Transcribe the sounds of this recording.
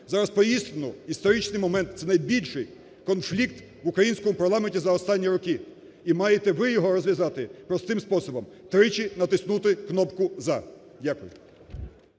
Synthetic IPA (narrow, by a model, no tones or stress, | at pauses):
zɑɾɐspɔjist̪enʊist̪ɔɾit͡ʃnɪjmɔmɛnt̪t̪sɛnɐjbʲilʲʃɪj | kɔnflʲik̚t̪ | ʋʊkɾɐjinʲsʲkɔmʊpɐɾlˠɑmenʲtʲizɐɔst̪ɑnʲːiɾɔkɪ | imɑjet̪ɛʋɪjɔɦɔɾɔzʲʋjɐzɑt̪ɪpɾɔst̪ɪmspɔsɔbɔmt̪ɾɪt͡ʃinɐt̪ɪsnut̪ɪknɔpkʊzɐ | dʲakʊjʊ